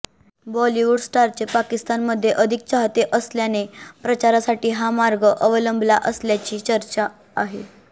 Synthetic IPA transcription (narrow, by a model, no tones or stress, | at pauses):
bɔliʋuɖsʈaɾt͡ɕepakist̪anməd̪ʱːjeʔəd̪ʱik̚t͡ɕaɦt̪eʔəsljanepɾət͡ɕaɾasaʈiːɦamaɾɡəʔəʋələmbʱlaʔəsljat͡ɕiːt͡ɕəɾt͡ɕaː | ɦe